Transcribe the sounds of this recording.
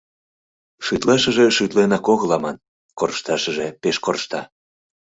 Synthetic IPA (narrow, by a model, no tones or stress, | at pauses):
ʃyt̪lɑʃəʒeʃyt̪lenɑkoɣəlɑmɑn | korʃt̪ɑʃəʒepeʃkorʃt̪ɑ